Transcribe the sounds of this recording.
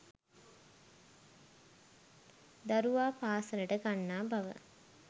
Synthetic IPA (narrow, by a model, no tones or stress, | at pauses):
d̪aɾuʋaːpaːsəɾəʈəɡanːaːbaʋə̰